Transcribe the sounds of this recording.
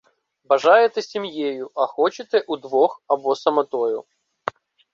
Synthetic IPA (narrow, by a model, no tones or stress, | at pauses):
bɐʐajɪt̪ɨsʲɪmjejʊʔɐxɔt͡ɕɪt̪ɛʔud̪ʋɔxɐbɔsɐmɐt̪ɔjʊ